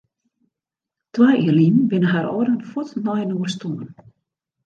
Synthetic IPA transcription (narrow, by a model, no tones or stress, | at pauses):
twajiːərlinbɪnəɦaɾɔːdənfutnɔjnuərstumən